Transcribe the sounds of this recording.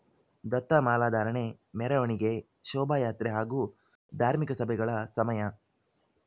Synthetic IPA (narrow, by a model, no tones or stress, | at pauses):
d̪ɐt̪ːɐmaːlaːd̪ʱaːɾɐɳe | mɛɾɐʋɐɳiɡe̞ | ʃɔːbʱaːjaːt̪ɾeɦaːɡuː | d̪ʱaːɾmikɐsɐbʱɛɡɐɭɐsɐmɐjɐ